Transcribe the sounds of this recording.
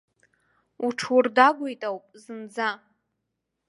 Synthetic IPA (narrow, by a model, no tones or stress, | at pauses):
uʈ͡ʂʰwurdaɡʷujtʼawpʼzɨnd͡za